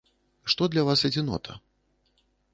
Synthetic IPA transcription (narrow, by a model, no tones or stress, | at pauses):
ʂt̪ɔd̪lʲɐvasɛd͡zʲinɔ̰t̪ʰɐ̰